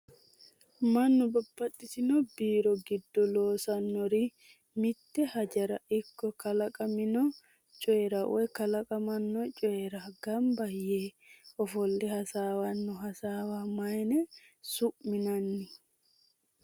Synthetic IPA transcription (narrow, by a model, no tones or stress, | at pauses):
mɐnːɔbɐbːɐtːɪt̪ɪnɔbiːɾɔɡɪd̪ːɔloːsɐnːɔɾi | mɪt̪ːɛhɐd͡ʒɐɾɐ̰ʔɪkːɔkɐlɐkʼɐmɪnɔ | t͡ʃʼɔɛɾɐwɔkɐlɐkʼɐmɐnːɔt͡ʃʼɔjɛɾɐɡɐmbɐjeː | ɔfɔlːɛhɐsaːwɐnːɔɦɐsaːwamɐjnɛ | sʊʔmɪnɐnːɪ